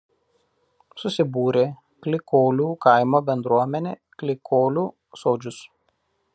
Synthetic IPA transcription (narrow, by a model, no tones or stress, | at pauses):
sʊsʲɪbuːɾʲeː | klʲɪkoːlʲuːkɐɪmoːbʲɛnd̪ɾuɔmʲɛnʲeː | klʲɪkʰoːlʲuː | soːd͡ʒʲʊs